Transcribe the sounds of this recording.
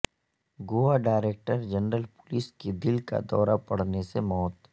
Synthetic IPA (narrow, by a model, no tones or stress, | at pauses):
ɡoːaɖaːɾeːk̚ʈəɾd͡ʒɐnɾəlpʊlisked̪ɪlka̰d̪ɔːɾapɐɽ̤nesemɔːt̪